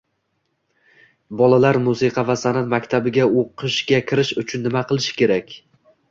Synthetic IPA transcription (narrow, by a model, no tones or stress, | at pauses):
bɒlalaɾmusɨqʰɑvasanat̪makʲt̪ʰabɪɡʲaoqʰɨʃɡʲakʲʰɪɾɪʃʊt͡ʃʰʊnːɪmaqʰɨlˠɪʃɪ̥kʲe̞ɾakʲ